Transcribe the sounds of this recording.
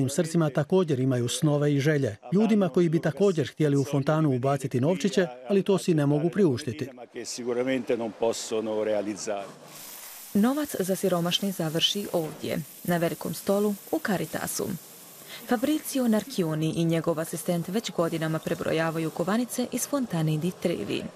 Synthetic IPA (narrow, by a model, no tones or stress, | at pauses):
iːmsr̩t̪simat̪ako̞ːd͡ʑe̞ɾimajusno̞ʋe̞iʒe̞ʎe̞ʎuːd̪imako̞jibit̪ako̞ːd͡ʑe̞ɾxt̪je̞liufo̞nt̪aːnuːbaːt̪sit̪ino̞ːʋt͡ʃit͡ɕe̞alit̪o̞ːsine̞mo̞ɡupɾiuʃt̪it̪ikesikuɾament̪enomposːonoɾealid̪zːaːɾe | no̞ʋat̪szasiɾo̞maʃnizaʋr̩ʃiʔo̞ːʋd̪ʲjḛ | naʋe̞liko̞̰mst̪o̞luukaɾit̪a̰sṵ | fabɾit̪sionaɾkioniʔiɲe̞ɡo̞ʋasist̪e̞nt̪ʋe̞t͡ɕɡo̞d̪inamapɾe̞bɾo̰jaːʋajukoʋanit̪se̞ʔiz̥fo̞nt̪anid̪it̪ɾḭːʋḭ